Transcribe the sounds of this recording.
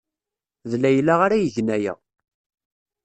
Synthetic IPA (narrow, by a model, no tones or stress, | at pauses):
ðlːæjəlːaʁaɾæjəʝnæjæ̰